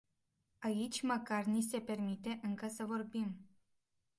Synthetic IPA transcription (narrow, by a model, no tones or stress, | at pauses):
ait͡ʃʲməkarnis̬e̞pe̞rmit̪e̞ʔɨŋkəsəvo̞rbim